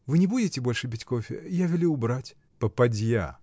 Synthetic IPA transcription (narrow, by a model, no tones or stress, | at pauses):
vɨnʲɪbudʲɪtʲɪbo̞lʲʂɨbʲitʲko̞fʲɪ̰javʲɪlʲuʊbɾatʲ | pəpɐdʲja̰